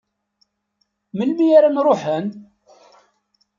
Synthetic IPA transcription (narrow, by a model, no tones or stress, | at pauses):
məlmijaɾanɾˤoħən